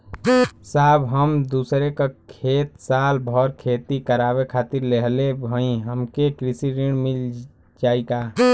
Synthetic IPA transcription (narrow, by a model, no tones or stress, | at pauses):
saːbɦəmd̪usɾekakʰeːt̪saːlbʱɔɾkʰeːt̪ikəɾaːbekʰaːt̪iɾleɦlebʱəĩɦəmkekɾisiɾiɽmil | d͡ʒaːika